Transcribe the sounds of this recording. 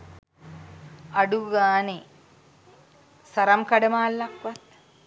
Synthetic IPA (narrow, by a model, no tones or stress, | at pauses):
ɐɖuɡaːne | sɐɾɐmkɐɖɐmaːlːɐkʋɐt̪̚